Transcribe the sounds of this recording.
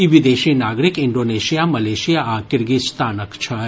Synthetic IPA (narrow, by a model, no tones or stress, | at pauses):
iʋid̪eʃinaːɡɾikɪɳɖoːneʃijamɐleʃijaakɪɾɡist̪aːnəkt͡ʃʰə